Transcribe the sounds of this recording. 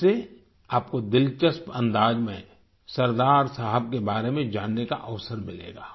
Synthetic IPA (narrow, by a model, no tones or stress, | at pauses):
e | aːp̚kod̪ɪlt͡ʃəspɐ̰̃nd̪aːd͡ʒmẽ | sɐɾd̪aːɾsaːɦəb̚kebaːɾemẽd͡ʒaːnːeka̰ʔɐʋsəɾmɪlḛːɡaː